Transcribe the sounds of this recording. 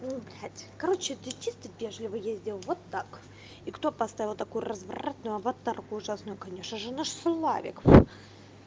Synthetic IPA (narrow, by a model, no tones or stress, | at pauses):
nubɾʲat̪ʲkɐɾot͡ɕɪt̪ɪt̪ʲist̪ʲɪt̪vʲeʐlʲɪvɨjezʲdʲɪlˠvot̪ːak | ikt̪opɐst̪avʲɪlˠt̪ɐkujʊrəzv̰rat̪nʊjʊɐvɐt̪arkʊʊʐasnʊjʊkɐnʲeʂnəʐɨnaʂslˠa̰vʲɪ̰kf